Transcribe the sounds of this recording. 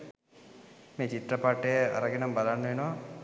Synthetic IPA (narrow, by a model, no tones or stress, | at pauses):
meːt͡ɕit̪rɐpaːʈːəjəa̰ɾəɡenambalanːuʋenoʋa